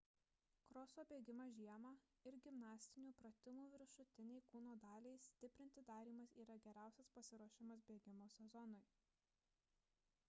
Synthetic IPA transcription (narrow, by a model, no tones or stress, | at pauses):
kɾɔsoːbʲeːɡʲɪmɑːʒʲiɛmɑː | ɪɾɡʲɪmnɑːsʲt̪ʲɪnʲuːpɾɐt̪ʲɪmuːʋʲɪɾʃʊt̪ʲɪnʲɛɪkuːnoːd̪ɑːlʲɛɪsʲt̪ʲɪpʲɾʲɪnʲt̪ʲɪd̪ɑːɾʲiːmɐsiːɾɐɡʲɛɾʲæˑʊsʲɛspɐsʲɪɾuɔʃʲɪmɐs̬bʲeːɡʲɪmoːsʲɛzɔnɔɪ